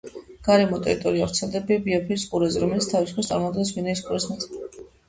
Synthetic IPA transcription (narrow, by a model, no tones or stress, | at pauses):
ɡ̥aɾɛmɔt̪ʼɛ̰ɾit̪ʼɔɾiavɾt̪sʰɛlˠd̪ɛbibiɔpʰiɾsqʼuɾɛzɛɾɔmɛlit̪st̪ʰavisu̥pkʰast̪ʼaɾmumad̪̚ɡɛnsvinaisqʼuɾɛsmasʰ